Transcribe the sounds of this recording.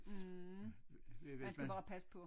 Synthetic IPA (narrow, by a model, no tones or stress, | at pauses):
eænsæb̥ɑ̈ːpʰæsə̥pʰɔ̽